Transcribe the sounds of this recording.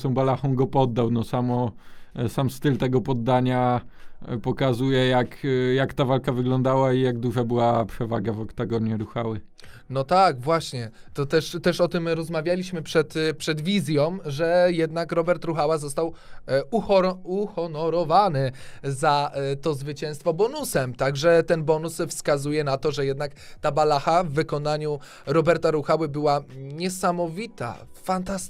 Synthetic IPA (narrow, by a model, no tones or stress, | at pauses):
sɔ̃w̃balaxɔ̃w̃ɡɔpɔd̪ːawnɔsamɔsamst̪ɘlt̪ɛɡɔpɔd̪ːaɲa | pɔkazujɛjakjakt̪avalkavɘɡlɔnd̪awaijaɡ̚d̪uʐabɘwapʂɛvaɡavɔkt̪aɡɔɲɛɾuxawɘ | nɔt̪aɡvwaɕɲɛ | t̪ɔt̪ɛʂt̪ɛʂɔt̪ɘmɾɔzmavʲjalʲiɕmɘpʂɛt̪pʂɛd̪vʲizʲjɔmʐɛjɛd̪nakɾɔbɛɾt̪ɾuxawazɔst̪awuxɔuxɔnɔɾɔvanɘzat̪ɔzvɘt͡ɕɛ̃w̃st̪fɔbɔnusɛmt̪aɡʐɛt̪ɛnbɔnusfskazujɛnat̪ɔʐɛjɛd̪nakt̪abalaxavːɘkɔnaɲu | ɾɔbɛɾt̪aɾuxawɘbɘwaɲɛsamɔvʲit̪a̰fant̪ast̪